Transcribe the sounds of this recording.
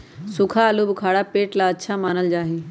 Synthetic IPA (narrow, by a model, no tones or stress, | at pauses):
sʊkʰaəlubɪkʰaːɽapeːʈlaɐtːʃʰamaːnəld͡ʑaːɦeː